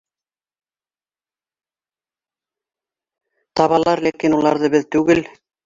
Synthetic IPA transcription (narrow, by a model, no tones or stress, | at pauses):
t̪ɑβɑlˠɑɾlækinulˠɑɾðɤbɘðt̪ʉɡɘl